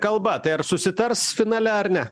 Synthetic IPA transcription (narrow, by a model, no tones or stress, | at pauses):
kɐlˠbɐt̪ɐɪɐɾsʊsʲɪt̪ɐɾsfʲɪnɑːlʲɛɐɾnʲɛ